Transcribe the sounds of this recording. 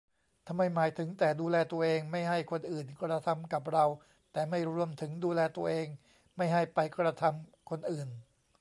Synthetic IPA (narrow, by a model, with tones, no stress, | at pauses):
t̪ʰa˧mːa˥˩jmaː˨˩˦jt̪ʰɯ˩˦ŋt̪ɛː˨˩duː˧lɛː˧t̪u˧ɐʔeː˧ŋma˥˩jɦa˥˩jkʰo˧nʔɯː˨˩nkɾa˧t̪ʰa˧mka˨˩p̬̚ɾa˧w | t̪ɛː˨˩ma˥˩jɾu˧əmt̪ʰɯ˩˦ŋduː˧lɛː˧t̪u˧ɐʔeː˧ŋ | ma˥˩jɦa˥˩jpa˧jkɾa˧t̪ʰa˧mkʰo˧nʔɯː˨˩n